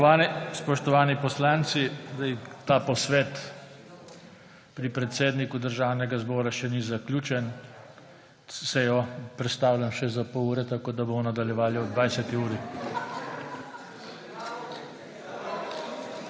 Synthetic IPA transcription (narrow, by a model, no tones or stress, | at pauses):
spɔʃt̪ɔʋaːnipɔslaːnt̪sid̪ajit̪aːpɔsʋeːt̪ | pɾipɾɛt̪seːd̪nikud̪əɾʒaːwnɛɡazbɔːɾaʃɛnizaklʲuːt͡ʃɛn | sɛjɔpɾɛt̪st̪aːwlʲjamʃɛzapɔuːɾɛt̪akoːd̪abomɔnad̪aljɛʋaːljiɔd̪ʋajsɛt̪iuːɾi